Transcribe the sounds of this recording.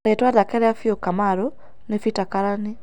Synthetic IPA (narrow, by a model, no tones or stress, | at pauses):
ɾetwaðakɛɾɛafiokamaɾo | nefitakaɾani